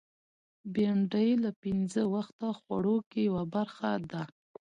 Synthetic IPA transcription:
beɳɖəjlapɪnzəwaxt̪axwa̰ɽokejawabaɾxad̪a

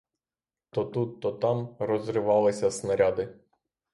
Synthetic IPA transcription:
t̪ɔt̪ut̪ːɔt̪ɑmrɔzɾɪʋɑlˠɪsʲɐsnɐɾʲad̪ɪ

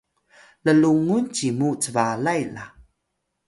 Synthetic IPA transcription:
ləluŋunt͡ɕimut͡səvalajla

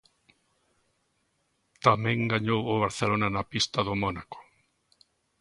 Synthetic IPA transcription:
t̪amẽŋɡaɲowʊβaɾθelonanapist̪aðʊmonako̥

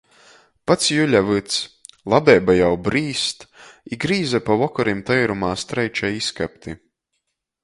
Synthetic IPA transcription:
pat̪sjulʲavɨt̪s | lˠabɛːbajawbɾiːst̪iɡɾiːzapavɔkɔɾimt̪ɛjɾumaːst̪ɾɛjt͡ʃaiskap̚t̪i

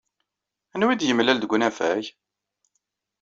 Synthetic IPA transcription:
ænwid̪jəmlæld̪əɡʷnæfæj

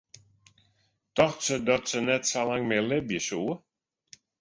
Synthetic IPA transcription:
tɔxtsədɔtsənɛtsalaŋmelɪbjəsuː

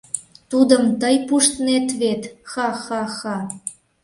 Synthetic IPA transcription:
t̪ud̪əmt̪əjpuʃt̪net̪βet̪xɑxɑxɑ

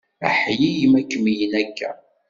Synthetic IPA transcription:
æħjijimækːmijənækːæ̰

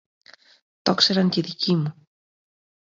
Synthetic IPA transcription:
t̪o̞kse̞ɾɐŋceðicimu

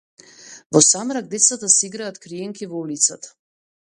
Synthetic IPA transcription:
vɔsamɾaɡ̚d̪ɛt̪sat̪asɛiɡɾaːt̪kɾijɛŋkivɔulit̪sat̪ḁ

